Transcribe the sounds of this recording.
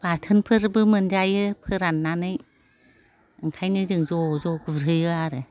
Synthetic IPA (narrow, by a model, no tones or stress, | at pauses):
batʰɯnpʰɯɾbɯmɯnd͡ʒajɯpʰɯɾanːanɯj | ɯŋkʰajnɯzɯŋzɔzɔɡɯɾɯjɯaɾɯ